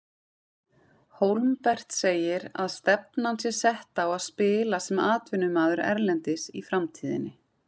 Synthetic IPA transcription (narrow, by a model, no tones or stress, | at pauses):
howlmpɛr̥t̪seːjɪɾa̰ðst̪ɛp̚nansjɛ̥sɛht̪aːwaðspɪːlasɛmaːt̪vɪnːʏmaːðʏɾɛ̰ɾlɛnt̪ɪsifɾamt̪ʰiːðɪ̰nːɪ